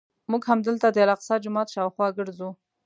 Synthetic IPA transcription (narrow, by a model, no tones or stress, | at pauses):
muɡhamd̪əlt̪ad̪əalɑqsɑd͡ʒʊmɑt̪ʃɑwxwɑɡəɽzu